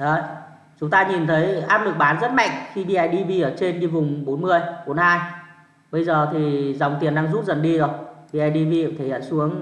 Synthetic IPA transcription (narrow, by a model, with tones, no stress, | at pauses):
ʔə˨˦ | t͡ɕʊ˨˦ŋ͡mt̪aː˧ɲi˨˩nt̪ʰə˨˦jʔaː˦˥p̚lɨ˨˩k̚ɓaː˨˦nzə˦˥t̚ma̰˧˨jŋxi˧ɓi˧ʔa˧˩jɗi˧vi˧ʔəː˧˩t͡ɕe˧nɲi˧vʊ˨˩ŋ͡mɓo˨˦nmɨ˧əjɓo˨˦nhaː˧j | ɓə˧jzəː˨˩t̪ʰi˨˩za˨˩wŋ͡mt̪i˨˩ənɗaː˧ŋzu˦˥t̚zə˨˩nɗi˧zo˨˩jɓi˧ʔa˧jɗi˧vi˧˨˩t̪ʰe˨˦əː˧˩su˨˦əŋ